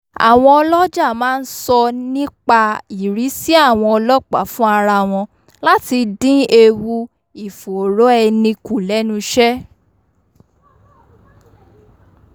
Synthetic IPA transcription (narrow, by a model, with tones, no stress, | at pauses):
a̰˨w̃ɔ̃˧ɔ˧lɔ˦d͡ʒa˦˨mãː˨˦˧n̩˦sɔ˧nĩ˦k͡pa˧i˨ɾi˨˦si˦a˦˨w̃ɔ̃˧ɔ˧lɔ˦k͡pa̰˨˦fũ˦a˧ɾa˧˨w̃ɔ̃˧ | la˦ti˧dĩ˦e˧wu˧ | i˨fo˨o˨ɾo˨˦ɛ˧nĩ˧ku˨lɛ˨˦nũ˧ʃɛ˦